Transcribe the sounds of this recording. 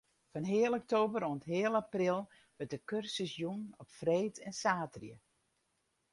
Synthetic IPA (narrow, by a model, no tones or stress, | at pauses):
fɔnɦɪːəlˠɔk̚toːbəɾoəntɦɪəlˠaprɪlˠ | ʋətdəkørsəsjunɔpfreːtʰɛnsaːtrjə